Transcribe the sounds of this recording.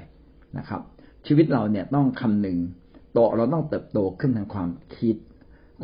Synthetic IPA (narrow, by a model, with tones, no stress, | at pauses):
na̰˦˥kʰɾa̰˦˥p̚t͡ɕʰiː˧wi˦˥t̪̚ɾa˧wni˥˩ɐt̪ɔ˥˩ŋkʰa˧mnɯ˨ŋ | t̪ɔː˨˩ɾa˧wt̪ɔ˥˩ŋt̪ɤː˨˩p̚t̪oː˧kʰɯ˥˩nt̪ʰa˧ŋkʰwaː˧mkʰi˦˥t̪̚ | kʰ